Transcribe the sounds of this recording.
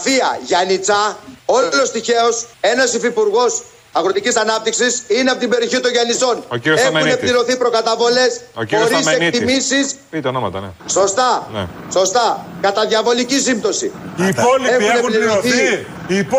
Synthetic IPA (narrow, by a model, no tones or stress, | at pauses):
fiɐʝɐnit͡sɐo̞lo̞st̪içe̞o̞se̞nɐsifipuɾɣo̞s | ɐɣɾot̪icisɐnɐp̚t̪iksisineɐpot̪ibe̞ɾio̞çit̪o̞nʝɐniso̞noiɾoemunepliɾo̞θipɾo̞kɐt̪ɐvo̞le̞sooɾisekt̪imisispit̪onomɐt̪ɐso̞st̪ɐn̰ | so̞st̪ɐkɐt̪ɐðʝɐvo̞licisimt̪o̞sḭ | exuneliɾoθii